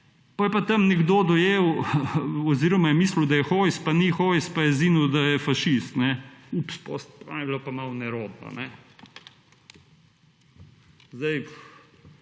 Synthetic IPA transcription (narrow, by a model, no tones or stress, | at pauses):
pɔjɛpat̪ɐmnɛɡd̪oːd̪ɔjeːw | ɔziːɾɔmajɛmiːsləwd̪ajɛxojspanixojspajɛzinuwd̪ajɛfaʃist̪nɛupspo̰st̪pa̰ilapamawnɛɾoːd̪na̰nɛ | zd̪aj